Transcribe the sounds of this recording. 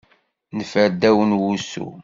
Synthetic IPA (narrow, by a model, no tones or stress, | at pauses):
nfəɾd̪æwənwusṵ